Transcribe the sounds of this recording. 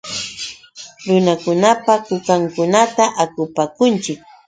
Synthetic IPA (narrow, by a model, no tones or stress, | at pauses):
ɾʊnakʊnapakʊkaŋkʊnat̪aʔakʊpakʊnt͡ʃɪk̚